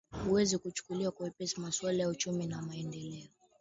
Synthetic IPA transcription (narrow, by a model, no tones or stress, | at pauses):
huwɛzikut͡ʃu̥kuliwakwuɛpɛsimaswalajaut͡ʃuminamaɛndɛlɛɔ